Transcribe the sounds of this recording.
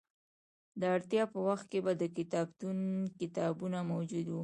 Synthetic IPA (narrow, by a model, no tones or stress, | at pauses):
d̪əaɽt̪jɑpəwaxt̪̚kebad̪əkɪt̪ɑbt̪unkɪt̪ɑbunamawd͡ʒud̪wu